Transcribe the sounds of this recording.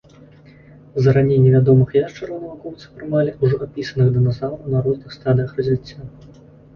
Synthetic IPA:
zɐɾanʲenʲːɛvʲad̪ɔmɨxjaʂt͡ʂɛɾvɔnɐvakɔwt̪sɨ̥pɾɨmalʲiʔuʐɔapʲisɐnɨɣd̪ɐnazalˠɐwnaɾɔznɨxst̪ad̪ɨjəxrɐzʲvʲit͡sʲːa

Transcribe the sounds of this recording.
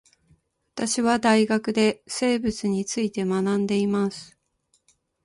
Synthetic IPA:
βat̪aɕiβad̪aiɡakɯ̟d̪e̞se̞ːbɯ̟t͡sɨɲ̟it͡sɨit̪e̞manãnd̪e̞imasɨ̥

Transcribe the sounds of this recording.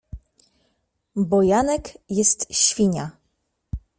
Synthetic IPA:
bɔjanɛkjɛst̪ɕfʲiɲa

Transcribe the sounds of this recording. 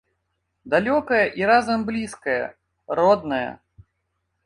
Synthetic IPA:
d̪alʲɔkɐjɐʔiɾazɐmblʲiskɐjɐ̰ | rɔd̪̚nɐjɐ̰

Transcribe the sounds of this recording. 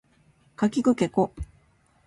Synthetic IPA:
kakʲikɯ̟ke̞ko

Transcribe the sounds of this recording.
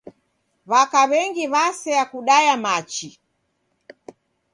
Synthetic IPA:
βakaβɛŋɡiβasɛjakuɗajamat͡ʃi

